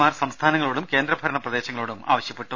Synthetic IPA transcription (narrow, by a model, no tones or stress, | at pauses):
maːrsɐmst̪ʰaːnɐŋːɐɭoːɽumke̞ːnd̪ɾɐbʱɐɾɐɳɐprɐd̪e̞ːɕɐŋːɐɭoːɽuma̰ːʋɐɕjɐpːe̞ʈːu